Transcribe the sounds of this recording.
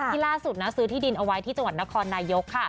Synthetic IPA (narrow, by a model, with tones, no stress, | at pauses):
iː˥˩laː˥˩su˨˩t̪̚na˦˥sɯː˨˦t̪ʰiː˥˩di˧nʔa˧wa˦˥jt̪ʰiː˥˩t͡ɕa˧ŋwa˨˩t̪̚na˦˥kʰɔː˧nːaː˧jo˦˥kʰːa˥˩